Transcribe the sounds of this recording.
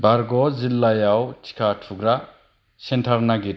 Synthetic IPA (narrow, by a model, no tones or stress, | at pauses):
baɾɡɔzilːajawtʰi̥kʰatʰuɡɾa | sentʰaɾnaɡit